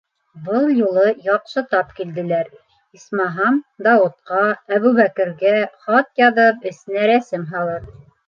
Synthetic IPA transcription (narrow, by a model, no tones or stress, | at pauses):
bɤlˠjulˠɤjɑqʃɤt̪ɑpkild̪ɘ̆læɾ | ismɑɦɑmd̪ɑut̪̚qɑæβʉβækɘ̆ɾɡæχɑt̪jɑðɤpɘ̆sɘ̆næɾæsɘmɦɑlˠɤɾ